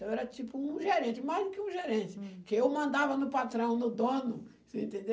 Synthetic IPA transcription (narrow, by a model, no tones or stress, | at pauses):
t̪ɐ̃w̃ɛɾɐt͡ʃipʊũʒeɾẽt͡ʃɪmajzd̪ʊkɪũʒeɾẽnt͡ʃɪ̥kɪewmɐ̃nd̪avɐnʊpat̪ɾɐ̃w̃nʊd̪õnʊ | sĩnt̪ẽnd̪e